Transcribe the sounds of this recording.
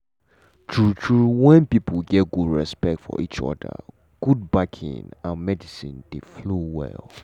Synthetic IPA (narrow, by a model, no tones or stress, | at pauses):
tʰɹutʰɹuwɛ̃npipəlɡɛtɡudɹɛspɛk̚tfɔ̰ʔit͡ʃɔ̰də̰ | ɡ̥ud̚bakʰḭ̃nãnmɛdisĩnd̥eflowɛ̰l